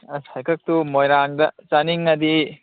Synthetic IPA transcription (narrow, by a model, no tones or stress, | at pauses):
ɐsajkɐk̚tumojɾaŋdɐt͡ʃaniŋːɐdi